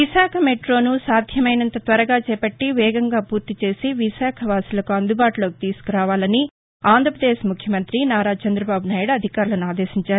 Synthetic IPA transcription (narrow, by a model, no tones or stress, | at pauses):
ʋiʃaːkʰɐmeʈɾo̞ːnusaːd̪ʱjɐmɐjnɐnt̪ɐt̪ʋɐɾɐɡaːt͡ʃɛːpɐʈːiʋɛːɡɐŋɡaːpuːɾt̪it͡ʃe̞ːsiʋiʃaːkʰɐʋaːsilɐkuɐnd̪ubaːʈuloːki̥t̪iːsu̥kuɾaːʋaːlɐni | aːnd̪ʱɾɐpɾɐd̪eːʃmukʰjɐmɐnt̪ɾinaːɾaːt͡ʃɐnd̪ɾɐbaːbunaːjuɽɐɐd̪ʱikaːɾulɐnuaːd̪eːʃiɲt͡ʃaːɾu